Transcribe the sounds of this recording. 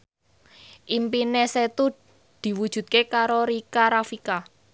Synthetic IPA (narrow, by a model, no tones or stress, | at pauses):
ʔimpineset̪u | d̪̥i̤wud̥ʒ̥ṳt̪̚kekaɾoɾikaɾafika